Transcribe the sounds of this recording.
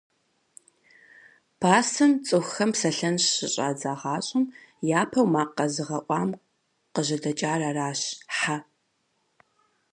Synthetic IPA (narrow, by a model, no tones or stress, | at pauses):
pʰaːsɨnt͡sʼɨxxɐmpsɐɬɐnɕɕɪɕʼa̰ːd͡zaːʁɑːɕʼɪmjaːpʰɐwmaːqɐzɨʁɐʔʷɑːm | qəʑɐdɐt͡ʃʼaːraːraːɕħa